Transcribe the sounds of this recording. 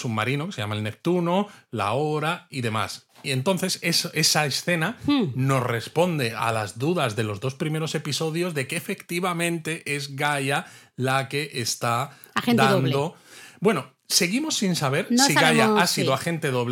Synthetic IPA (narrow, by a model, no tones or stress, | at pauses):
summaɾinoke̞se̞jamaelne̞p̚t̪uno̞la̰o̞ɾaiðe̞ma̰sie̞nt̪o̞nθe̞sese̞saesθe̞nano̞sre̞spo̞nd̪e̞a̰lazðuðazðe̞lo̞zðo̞spɾime̞ɾo̞se̞piso̞ðjo̞zðe̞kefe̞kt̪iβamẽ̞nt̪e̞ʔe̞zɣaʝa | lake̞ʔest̪a | aed̪aðond̪obwe̞no̞ | se̞ɣ̞imo̞sːinsaβ̞e̞ɾnssiɣajaasiðoaxẽ̞nt̪e̞ðoβl